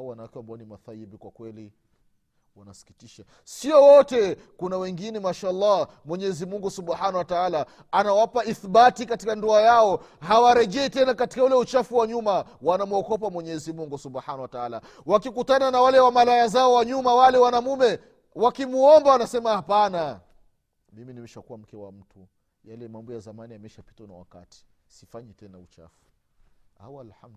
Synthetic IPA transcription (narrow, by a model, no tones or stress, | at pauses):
wanawakɛwambaɔnima̰θajiɓikwakwɛlḭ | wa̰nasi̥ki̥tiʃa | siɔwɔtɛ | kunawɛŋɡinɛmaʃaɑlːa | mwɛɲɛɛzimuŋɡusubħanahwataalaː | nawapaiθɓatikati̥kandɔajaɔhawaɾɛʄɛːtɛnakati̥kaulɛut͡ʃafuwaɲumawanamuɔkɔpamwɛɲɛzimuŋɡusubħanahwataala | wakikutananawalɛwamalajazaɔwaɲumawalɛwanamumɛ | wakimuɔmbawanasɛmahapana | miminimɛʃakuwam̩kɛwa̰m̩tu | jalɛmambɔjazamaniamɛʃapi̥tana̰wa̰ka̰ti̥sifaɲɛtɛnaut͡ʃa̰fu̥ | a̰walħamd